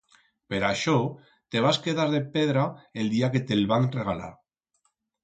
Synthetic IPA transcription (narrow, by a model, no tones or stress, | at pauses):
peɾaʃɔ | t̪eβ̞askeðaɾðepeðɾaeld̪iaket̪elβaŋreɣ̞ala̰ɾ